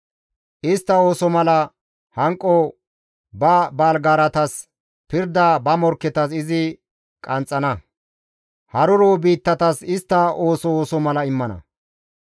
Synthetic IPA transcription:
ʔɪst̪ːɐo̞ːsɔmɐlɐ | hɐŋkʼːɔ | bɐbaːlɡaːɾɐt̪ɐs | pɪɾd̪abɐmɔɾkːɛt̪ɐsɪzɪ | kʼɐnt͡sʼːɐnɐ | hɐɾʊɾoːbiːt̪ːɐt̪ɐsɪst̪ːɐo̞ːsɔoːsɔmɐlɐɪmːɐnɐ̰

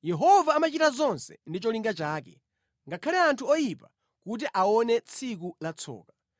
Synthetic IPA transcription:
jɛɦɔvaːmat͡ʃitazɔnsɛ̰ndit͡ʃɔliŋɡat͡ʃaːkɛ | ŋɡakʰalɛantʰuɔjipa | kut̬iʔaɔnɛt͡sʰik̬ulat͡sʰɔ̰ːka

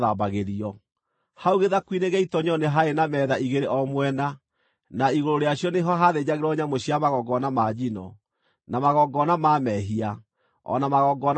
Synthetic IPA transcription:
ðabaɣeɾiɔ | hauɣeðakwineɣɛitɔɲɔneɦaenamɛːðaiɣeɾeʔɔmwɛna | naiɣoɾoɾeaɕjɔneɦɔɦaðed͡ʑaɣeɾɔɲamoɕiamaɣɔɡɔnamad͡ʑinɔ | namaɣɔɡɔnamaːmɛɦia | ɔ̰namaɣɔɡɔn

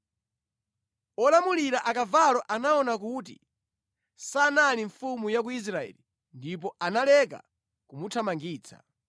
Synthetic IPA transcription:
ɔlamuliɾaʔakavalɔʔanaɔnak̬utḭ | sanaliɱfumujak̬uis̬ɾaɛ̰li | ndipɔanalɛk̬a̰ | kumutʰamaŋɡiːt͡sʰḁ̰

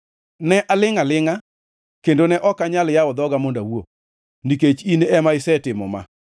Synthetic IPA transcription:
nɛʔalɪŋalɪŋa | kendonɛʔɔkaɲaljawɔd̪ɔɡamondawo̰ | niket͡ʃinɛmaɪsɛtɪmɔ̰ma̰

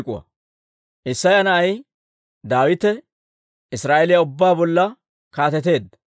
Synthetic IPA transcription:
kʼʊ̰wɐ̰ | ʔɪsːɐjɐnɐʔɐj | d̪aːwɪt̪ɛ | ɪsɾaːʔɛlɪjɐʊbːaːbɔlːɐ | kaːt̪ɛt̪̬e̞ːd̪ɐ

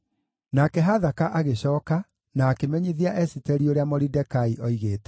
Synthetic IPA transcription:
nakɛɦaðakaʔaɣeɕɔːka | naːkemɛɲiðiaʔɛsitɛɾioɾeamoɾidɛkaiʔɔiɣeːtɛ̥

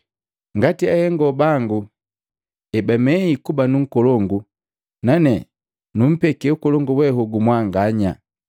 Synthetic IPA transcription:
ŋɡatiahɛŋɡɔbaŋɡu | ɛbamɛikubanuŋ̩kɔlɔŋɡu | nanɛ | num̩pɛkɛukɔlɔŋɡuwɛɦuɡumwaŋɡaɲa

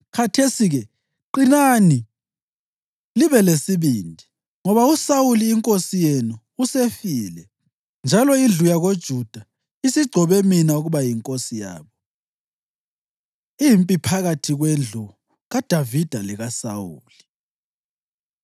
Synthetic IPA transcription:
kʰatʰesiɣɛ | ǃinani | liβɛlesiβiːndʱi | ŋɔβausauliːŋkʼosijenuːsefiːlɛ | nd͡ʒʱalɔind͡ɮʱujaɣod̥ʒ̥ʱud̥ʱa | isiɡ͡ǀʱɔβeminauɣuβajiŋkʼosija̰ːβɔ | impʼipʰaɣatʰiɣwend͡ɮʱu | ɣad̥ʱavid̥ʱaliɣasa̰wṵːli

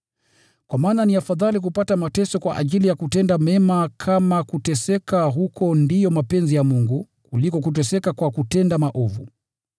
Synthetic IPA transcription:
kwamaːnaniafaðalik̬upatamatɛsɔkwaʔa̰ʄilijakutɛndamɛmakʰamakutɛsɛkaɦukʰɔndijɔmapɛnzijamuŋɡu | kulikɔk̬ut̬ɛsɛkakwakutɛndamaʔɔvṵ

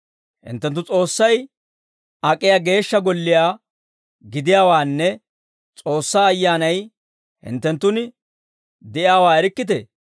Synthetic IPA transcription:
hɪ̰nt̪ːɛnt̪ːʊt͡sʼo̞ːsːɐj | ɐkʼːɪjaːɡe̞ːʃːɐɡɔlːɪjaː | ɡɪd̪ɪjaːwaːnːɛ | t͡sʼo̞ːsːaːɐjːaːnɐj | hɪ̰nt̪ːɛnt̪ːʊnɪ | d̪ɛɪjaːwaːɛɾɪkːɪt̪̬ɛ̰

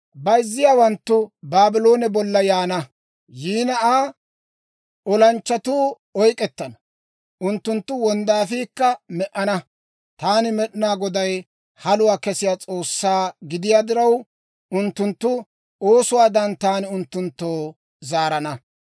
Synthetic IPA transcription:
bɐjzːɪjaːwɐnt̪ːʊbaːbɪlo̞ːnɛbɔlːɐjaːnɐ | jiːnɐaː | ʔɔlɐnt͡ʃːɐt̪uː | ɔjkʼɛt̪ːɐnɐ | ʊnt̪ːʊnt̪ːʊwɔnd̪aːfiːkːɐmɛʔɐnɐ | t̪aːnɪmɛɗɪnaːɡɔd̪ɐj | hɐlʊwaːkɛsɪjaːt͡sʼo̞ːsːaːɡɪd̪ɪjaːd̪ɪɾɐw | ʊnt̪ːʊnt̪ːʊ | oːsʊwaːd̪ɐnt̪aːnɪʊnt̪ːʊnt̪ːoː | zaːɾɐnɐ

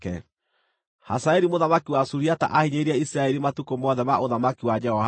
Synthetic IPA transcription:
kɛ̰ | ha̰saeɾimoðamakiwasuɾiata̰ʔahiɲeɾiaisiɾaɛɾimatukomɔðɛmaʔoðamakiwad͡ʒɛhɔ

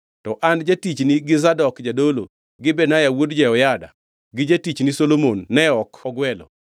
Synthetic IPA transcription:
tɔʔand͡ʒatit͡ʃniɡɪzadɔkd͡ʒadolo̰ | ɡɪbɛnajawodd͡ʒɛɔjada̰ | ɡɪd͡ʒatit͡ʃnisolomonːɛɔkɔɡwɛlɔ̰

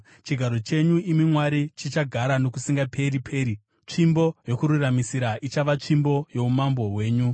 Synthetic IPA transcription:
t͡ʃiɡʱaɾo̞t͡ʃe̞ɲuimimwaɾit͡ʃit͡ʃaɡʱaɾano̞kusiŋɡapʰe̞ɾipʰe̞ːɾi | t͡ʂimbo̞jo̞kuɾuramisiɾaʔit͡ʃaʋat͡ʂimbo̞jo̞umambo̞ɦwe̞ːɲu

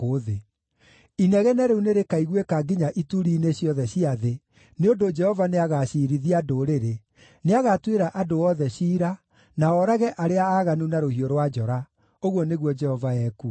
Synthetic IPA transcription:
koðe | inɛɣɛnɛɾeuneɾekaiɣwekaɡiɲaʔituɾiːneɕjɔðɛɕiaðe | neodod͡ʒɛhɔvaneaɣaɕiɾiðiadoɾeɾe | neaɣatweɾaʔadoɔðɛɕiːɾa | naɔɾaɣɛʔaɾeaaːɣanunaɾohioɾwad͡ʒɔɾa | oɣwɔneɣwɔd͡ʒɛhɔvaɛku

